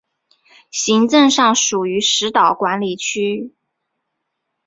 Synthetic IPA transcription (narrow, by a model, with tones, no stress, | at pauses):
ɕi˧˥ŋʈ͡ʂɤ˥˧ŋʂɑ˥˩ŋʂu˨˩y˧˥ʂɻ̩˧˥t̪ɑ˨˩ʊkwa˧˥nli˨˩t͡ɕʰy˥